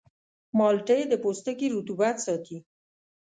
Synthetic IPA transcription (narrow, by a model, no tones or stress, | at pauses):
mɑlʈəjed̪əpost̪əkiɾut̪ubat̪sɑt̪i